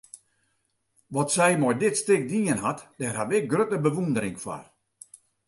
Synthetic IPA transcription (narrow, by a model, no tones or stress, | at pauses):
ʋɔtsɛjmɔjdɪtstɪk̚diənɦatdɛrhatʋɪk̚ɡrøtəbəʋundəɾɪŋfwa̰r